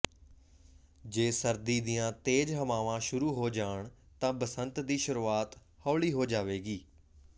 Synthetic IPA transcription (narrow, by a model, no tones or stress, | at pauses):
d͡ʒeːsəɾd̪iːd̪ɪjãːt̪eːd͡ʒɦəmaːʋãːʃʊɾuːɦoːd͡ʒaːəɳ | t̪ãːbəsənt̪d̪iːʃʊɾuːaːt̪ | hɔːɭiːɦoːd͡ʒaːʋeːɡiː